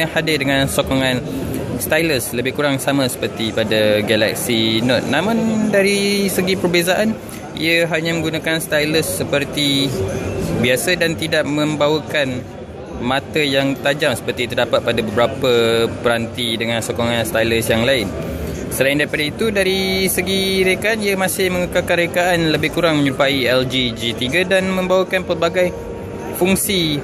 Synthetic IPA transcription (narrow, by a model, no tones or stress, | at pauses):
hadɪdəŋãnsokɔŋãnst̪ajləsləbɪhkuɾaŋsamãsə̥pərt̪ipadaɡala̰k̚sinɔt̪̚namʊ̃ndaɾisəɡipərbezaʔan | ḭəɦaɲãmə̃ŋɡunakanst̪ajləsːəpərt̪i | biasədant̪idaʔ̚mə̃mbawəkan | mãt̪əjaŋt̪ad͡ʒamsə̥pərt̪it̪ərdapat̪̚padabəbəɾapəpəɾant̪idəŋãnsokoŋanst̪ajləsjaŋlaɪn | səlaɪndaɾipadait̪udaɾisəɡiɾekaaniamãsɪhməŋəkalkanrekaʔanləbɪhkuɾaŋməɲuupaiɛld͡ʒid͡ʒit̪iɡadanmə̃mbawəkanpərbaɡaj | fuŋsi